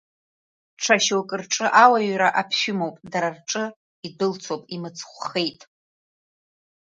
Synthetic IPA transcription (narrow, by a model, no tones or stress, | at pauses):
ʈ͡ʂʰaʃokʼɨrʈ͡ʂʼɨʔawaɥɾaʔapʰʃᶣʊmowpʼdaɾarʈ͡ʂʼɨ | idɨlt͡sʰowpʼimɨt͡sʰχʷχejtʼ